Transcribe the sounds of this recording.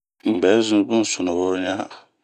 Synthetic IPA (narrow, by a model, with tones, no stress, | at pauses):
m̩˨bɛ˨˦zʊ̃˦n˦˨bʊ̃˦˨sʊ˨nʊ̃˨wʊ˦ɾɲ˦a˦